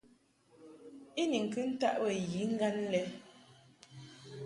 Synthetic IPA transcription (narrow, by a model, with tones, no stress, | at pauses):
i˦ni˨ŋ̩˨kɨ˦n̩˦ta˦ʔwɛ˨ji˨˦ŋ̩˦ɡa˦nlɛ˦